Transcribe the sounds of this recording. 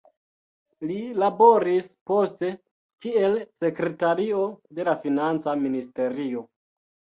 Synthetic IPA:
lilabo̞ɾispo̞ste̞ | kie̞lse̞kɾe̞taɾio̞de̞lafinant͡saministe̞ɾio̞

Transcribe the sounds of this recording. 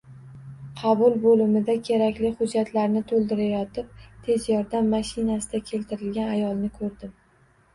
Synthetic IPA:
qʰɑbʊlˠbolɪmɪd̪akʲʰe̞ɾakʲlɪχʊd͡ʒːat̪ʰlaɾnɪt̪ʰolˠd̪ɪɾajɒt̪ʰɪp̚t̪ʰe̞zjɒɾd̪amːaʃɪnasɪd̪akʲʰe̞lt̪ʰɪɾɪlɡʲanajɒlˠnɪkʰɵɾd̪ɪm

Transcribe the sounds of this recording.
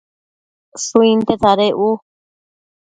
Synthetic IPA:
suĩnt̪et͡s̪aɾeʔu

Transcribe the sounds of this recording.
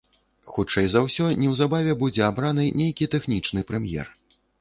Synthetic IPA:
xut͡ʂɛjzawsʲɔnʲɛwzabavʲɛbud͡zʲɛabɾanɨnʲejkʲit̪ɛxnʲit͡ʂnɨpɾɛmjɛ̰r

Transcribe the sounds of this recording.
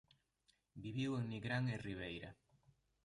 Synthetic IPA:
biβiweŋniɣɾaŋeriβejɾɐ

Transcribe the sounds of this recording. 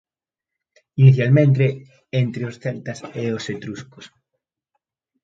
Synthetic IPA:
iniθjalmẽnt̪̬e | ent̪ɾeosθeɾt̪ɐseoset̪ɾuskos

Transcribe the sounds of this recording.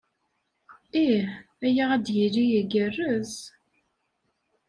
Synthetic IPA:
i | æjaʁæd̪jəlːijəɡərːəz

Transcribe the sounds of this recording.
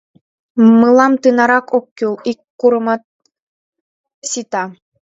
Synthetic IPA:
mɯlˠɑmt̪ɯnɑɾɑkokʲːulˠikːuɾɤ̆mɑt̪̚ | sit̪ɑ

